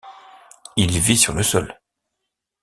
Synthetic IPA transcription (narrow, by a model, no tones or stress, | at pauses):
ilvisyʁləsɔl